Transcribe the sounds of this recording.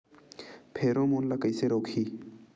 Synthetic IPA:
pʰeːɾõmoːnlakəjseɾoːkʰiː

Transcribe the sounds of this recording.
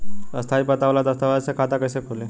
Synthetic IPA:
əst̪ʰaipət̪aʋlad̪əst̪aʋasekʰat̪akəsekʰole

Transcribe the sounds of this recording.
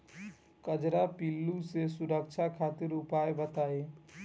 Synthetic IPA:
kəd͡ʒɾapilːusesuɾək̚t͡ʃʰakʰat̪iɾʊpaebət̪ae

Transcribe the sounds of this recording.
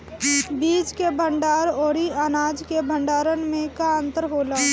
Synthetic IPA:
biːd͡ʒkebʱə̃ɳɖaːɾoːɾianaːd͡ʒkebʱə̃ɳɖaːɾənmẽkaə̃nt̪əɾɦoːlaː

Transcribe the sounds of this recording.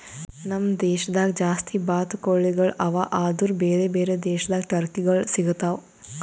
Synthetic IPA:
nɐmd̪eːʃɐd̪aːɡd͡ʒaːst̪ʰibaːt̪koɭːiɡɐɭɐʋaːʔaːd̪uɾbeːɾeːbeːɾed̪eːʃɐd̪aːɡʈɐɾkiɡɐɭsiɡut̪aːʋ

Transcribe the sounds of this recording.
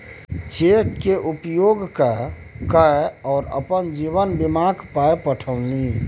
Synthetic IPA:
t͡ʃekːeʔupjoɡkə | kəeɔːɾə̰pənd͡ʒiβənbimakpaepəʈʰəwni

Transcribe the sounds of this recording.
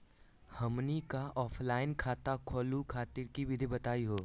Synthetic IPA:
hɐmnikaʔɔːfʰlaːɪnkʰaːt̪akʰɔːlukʰaːt̪ɪɾkibɪd̪ʱibɐt̪aːiɦoː

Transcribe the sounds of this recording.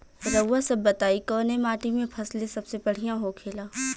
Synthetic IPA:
ɾəwasɐbːɐt̪aːikɔːnemaːʈimẽpʰɐslesɐbsebɐɽ̤ijãɦokʰeːlaː

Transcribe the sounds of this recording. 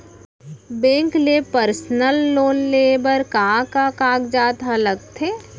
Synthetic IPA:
bẽːŋklepəɾsnəlːoːnleːbəɾkaːkakaːɡd͡ʒaːt̪ələɡt̪ʰeː

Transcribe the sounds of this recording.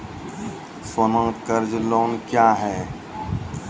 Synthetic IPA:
sonə̃ːkəɾd͡ʒloːnkjaːɦɛː

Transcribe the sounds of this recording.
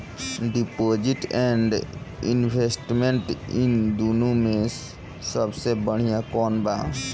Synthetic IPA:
ɖipod͡ʒiʈɛɳɖinbʱesʈmeɳʈind̪unumẽ | səbsebəɽ̤ijakɔːnbaː

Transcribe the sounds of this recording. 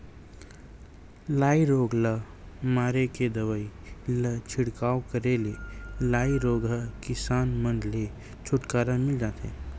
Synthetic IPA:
laːiɾoːɡlə | maːɾeked̪ɐʋaːilət͡ʃʰɪɽkaːokəɾelelaːiɾoːɡʱəkɪsaːnmə̃nd̪le | t͡ʃʰʊʈkaːɾamɪld͡ʒaːt̪ḛː

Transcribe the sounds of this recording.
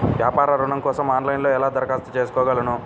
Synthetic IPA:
ʋjaːpaːɾɐɾuɳɐmkɔːsɐmaːnlɐjnloːɛlaːd̪ɐɾɐkaːst̪ɐt͡ʃe̞ːs̬ukɔːɡɐlɐnu

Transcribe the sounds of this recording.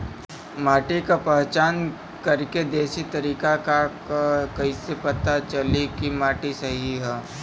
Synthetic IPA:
maːʈikapɛɦt͡ʃaːn | kɐɾked̪eːsit̪ɐɾiːkaka | kɐisepɐt̪at͡ʃɐlikimaːʈisɐɦiɦɛː

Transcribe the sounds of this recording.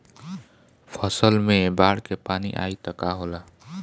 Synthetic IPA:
pʰəsəlmẽbaːɽkepaːnḭʔa̰ːit̪əkaɦoːlaː

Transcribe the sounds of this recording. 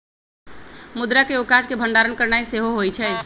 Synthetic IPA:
mud̪ɾakeokad͡ʒkebʱəɳɖaɾənkəɾnajseɦoɦojt͡ʃʰɛ

